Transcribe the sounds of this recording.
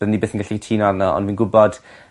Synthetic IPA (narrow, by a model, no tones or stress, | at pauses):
ənibeːθənɡaɬitʰiːnanɔɔ̰ndviːnɡʊbɔd̥